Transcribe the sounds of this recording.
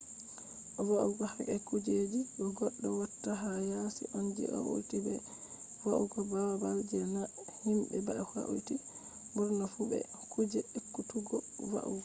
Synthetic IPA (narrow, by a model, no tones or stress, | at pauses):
ʔɔwaʔuɡɔhakɛkud͡ʒed͡ʒibɔɡɔɗːɔwatːaɦajasḭʔɔnd͡ʒḭʔɔ̰ʔṵjtibɛ | waʔuɡɔbawabald͡ʒɛna | himbɛbaɛfa̰ʔṵjti | bɔɾnafubɛ̰kud͡ʒɛekːutuɡɔwa̰ʔṵɡɔ